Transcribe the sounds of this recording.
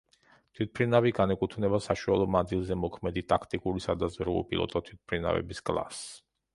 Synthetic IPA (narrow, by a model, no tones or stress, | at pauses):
t̪ʰwit̪̚pʰɾinaviɡanɛkʼut̪ʰvnɛbasaʃualˠɔnanzilˠzɛmɔkʰmɛd̪it̪ʼakʰt̪ʼikʼuɾisad̪azvɾuɔ̰pʼḭlˠɔ̰t̪ʼɔt̪ʰwit̪̚ʰpʰɾina̰vɛ̰biskʼlˠa̰s